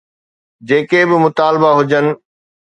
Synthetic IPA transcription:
d͡ʑeːkebɪmʊt̪aːlbaɦʊd͡ʑənɪ̆

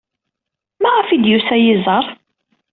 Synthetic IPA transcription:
mæʁəfid̪jusæjɪzˤɑɾˤ

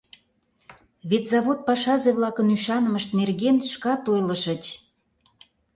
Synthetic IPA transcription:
βet̪ʲzɑβot̪̚pɑʃɑzeβlɑkənyʃɑnəməʃt̪nerɣenʃkɑt̪ojlə̆ʃə̆t͡ɕ

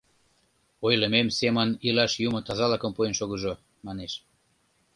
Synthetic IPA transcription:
ojləmemsemənilɑʃjumə̆t̪ɑzɑlɑkəmpuenʃoɣəʒo | mɑneʃ

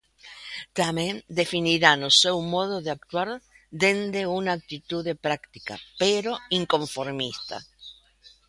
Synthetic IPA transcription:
t̪amend̪e̞finiɾanosewmo̞ðoðeak̚t̪waɾ | d̪e̞nd̪eunaːk̚t̪it̪uðepɾakt̪ika̰peɾo̞iŋko̞ɱfoɾmist̪a̰

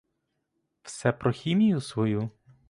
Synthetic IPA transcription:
wsɛpɾɔxʲimʲijʊsʋɔju

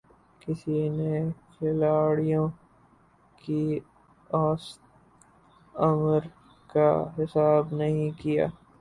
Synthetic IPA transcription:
kɪsinexʰɪlaːɽijõ | ki | ɔːst̪ | ɐməɾ | ka̰ɦɪsaːbnɐɦĩkija̰ː

